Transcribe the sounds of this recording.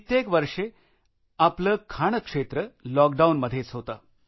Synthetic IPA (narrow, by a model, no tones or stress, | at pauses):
it̪jekʋəɾʂe | apləːkʰaɽ̃əkʂet̪ɾəlɔk̚ɖawnməd̪ʱːjet͡sɦot̪a